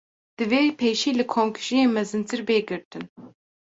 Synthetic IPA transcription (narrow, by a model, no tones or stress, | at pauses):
d̪̥ɨveːpʰeːʃiːlɨkʰoːmkʰɨ̥ʒijeːmɛzɨnt̪ʰɨɾbeːɡɨɾt̪ɨn